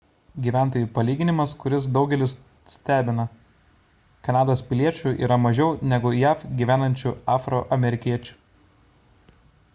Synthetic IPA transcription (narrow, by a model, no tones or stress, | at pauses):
ɡʲiːʋʲæːˑnt̪oːjuːpɐlʲiːɡʲɪnʲɪmɐskʊɾʲɪs̬d̪ɒʊɡʲɛlʲɪs | sʲt̪ʲæːbʲɪnɐ | kɐnɑːd̪ospʲɪlʲiɛt͡ʃʲuʔḭːɾɐmɐʒʲɛʊnʲɛɡʊjæːfɡʲiːʋʲæːnɐnʲt͡ʃʲuɑːfɾoʔɐmʲɛɾʲɪkʲiɛt͡ʃʲu̥